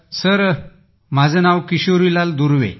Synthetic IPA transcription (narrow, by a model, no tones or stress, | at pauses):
səɾ | m̤ad͡zʱənawkiɕoɾilald̪uɾʋḛ